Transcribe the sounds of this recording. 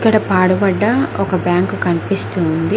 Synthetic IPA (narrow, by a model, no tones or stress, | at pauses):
kːɐɽɐpaːɽubɐɖːɐɔkɐbjaːŋkukɐnipist̪uːnd̪i